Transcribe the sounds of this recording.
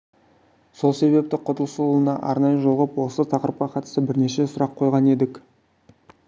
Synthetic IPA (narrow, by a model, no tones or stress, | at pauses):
so̞lˠse̞βe̞p̚t̪ɪqʰʊt̪əlˠsəənɑʔɑ̰ɾnɑjəʒo̞lˠʁəpwo̞lˠsət̪ʰɑqəɾəp̚qɑqʰɑt̪ə̥səbɪɾne̞ʃe̞sʊɾɑqʰːo̞jʁɑne̞d̪ɪk